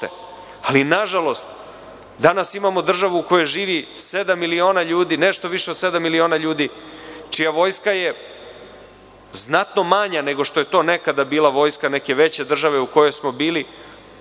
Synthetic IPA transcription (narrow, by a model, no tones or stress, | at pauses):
t̪ḛ | alinaʒalo̞st̪ | d̪anasimamo̞d̪r̩ʒaʋuuko̞joʒiːʋised̪amːilio̞ːnaʎuːd̪iːneʃt̪o̞ʋiʃeod̪se̞d̪amːilio̞ːnaʎuːd̪it͡ʃijaʋo̞jskaje̞ | znat̪no̞maɲane̞ɡo̞ʂt̪o̞je̞t̪o̞ːne̞kad̪abiːlaʋo̞jskane̞ke̞ʋe̞t͡ɕe̞d̪r̩ʒaʋe̞uko̞jo̞jsmo̞biːli